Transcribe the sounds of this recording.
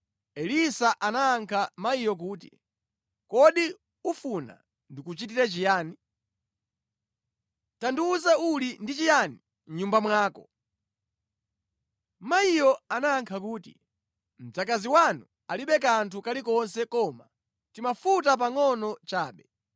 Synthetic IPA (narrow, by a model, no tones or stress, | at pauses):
ɛlisaʔanaːŋkʰamaijɔk̬uːtḭ | kɔɗi | ufuna̰ | ndikut͡ʃitiɾɛt͡ʃijaːni | tanduːzaulindit͡ʃijani | m̩ɲumbamwaːkɔ̰ | maijɔanaːŋkʰak̬uːtḭ | m̩d͡zakaziwanu | aliɓɛk̬antʰukalikɔnsɛkɔma | timafutap̬aŋɔnɔt͡ʃaːɓɛ